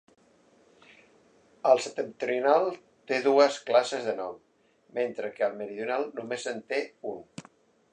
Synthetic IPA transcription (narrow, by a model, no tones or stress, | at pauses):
əlˠsət̪ənt̪ɾiunalˠ | t̪eðuəsklasəzðənɔm | ment̪ɾəkəːlˠməɾiðjunalˠnumezənt̪eun